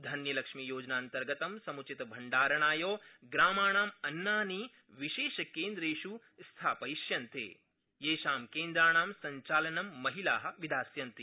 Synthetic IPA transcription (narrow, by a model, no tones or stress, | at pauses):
d̪ʱɐnjɐlɐkʂmijoːd͡ʒnaːnt̪ɐɾɡɐt̪ɐmsɐmut͡ʃit̪ɐbʱɐɳɖaːɾɐɳaːjoːɡɾaːmaːɳaːmɐnːaːniː | ʋiʃeːʃɐkeːnd̪ɾeːʃu | st̪ʰaːpɐjiʃjɐnt̪ḛː | jeːʃaːmkeːnd̪ɾaːɳaːmsɐɲt͡ʃaːlɐnɐmːɐɦilaːɦɐ̆ʋid̪aːsjɐnt̪i